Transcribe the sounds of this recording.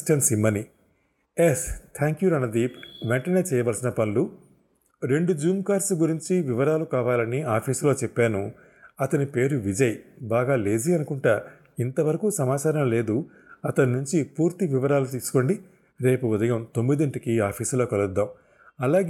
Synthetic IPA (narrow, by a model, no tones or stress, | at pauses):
ʈɐnsimːɐni | est̪ʰaːŋkjuɾɐnːɐd̪iʋɛɳʈɐne̞ːt͡ʃɛːjɐʋɐlsinɐpɐnlu | ɾe̞ɳɖud͡ʒuːmkaːɾsɡuɾiɲt͡ʃiʋiʋɐɾaːlukaːʋaːlɐniaːpʰiːslo̞ːt͡ʃɛpːaːnu | ɐt̪ɐnipe̞ːɾuʋid͡ʒɐjbaːɡaːle̞ːziɐnukuɳʈaː | int̪ɐʋɐɾɐkuːsɐmaːt͡ʃaːɾɐmle̞ːd̪u | ɐt̪ɐninuɲt͡ʃipuːɾt̪iʋiʋɐɾaːlut̪iːsu̥ko̞ɳɖi | ɾe̞ːpuud̪ɐjɐmt̪o̞mːid̪iɳʈikiaːpʰiːslo̞ːkɐlud̪ːaːm | ɐlaːɡ